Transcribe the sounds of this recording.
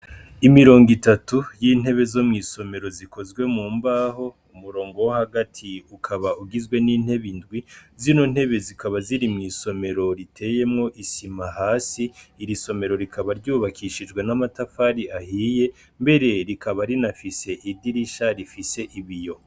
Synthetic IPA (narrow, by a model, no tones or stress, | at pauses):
imiɾo̞ːŋɡitatujiːn̥he̞βe̞zo̞mŋiːso̞me̞ɾo̞ziko̞zɡwe̞muːmbaːɦo̞ | umuɾo̞ːŋɡo̞wohaɡatʰiukʰaβauɡizɡwe̞niːn̥he̞βindɡwizino̞n̥he̞βe̞zikaβaziɾimŋiːso̞me̞ɾo̞ɾitʰe̞ːje̞mŋo̞ʔisimaɦaːsiːɾiso̞me̞ɾo̞ɾikʰaβaɾɟuːβakʰiʃid͡ʒɡwe̞namatafaːɾiʔahiːje̞ | mbe̞ɾe̞ɾikʰaβaɾinafise̞ʔidiɾiʃaɾifise̞ʔiβijo̞